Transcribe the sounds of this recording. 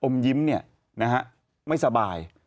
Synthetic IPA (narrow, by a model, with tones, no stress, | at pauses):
ʔo˧mji˦˥mni˥˩ɐ | na˦˥ka˦˥ʔ | ma˥˩jsa˧baː˧j